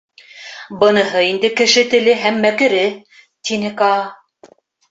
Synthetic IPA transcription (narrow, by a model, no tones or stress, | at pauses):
bɤ̆nɤ̆ɦɤind̪ɘkɘ̆ʃɘt̪ɘ̆lɘɦæmːækɘ̆ɾɘ | t̪inɘkɑ